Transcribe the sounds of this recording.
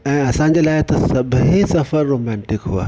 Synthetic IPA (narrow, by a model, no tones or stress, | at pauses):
ɛ̃ːɐsãɲ̆d͡ʑelaːɪt̪ɐsɐbʱɦesɐfəɾːoːmɛ̃ːɳʈɪkɦua̰ː